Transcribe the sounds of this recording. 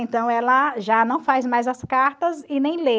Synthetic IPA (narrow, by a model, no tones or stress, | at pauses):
ẽnt̪ɐ̃w̃ɛlɐʒanɐ̃w̃fajzmajzɐskaɾt̪ɐzɪnẽj̃le